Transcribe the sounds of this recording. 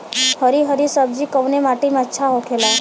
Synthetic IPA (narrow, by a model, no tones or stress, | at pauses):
həɾiɦəɾisəb̚d͡ʒikəwnemaːʈimeətːʃʰaɦokʰela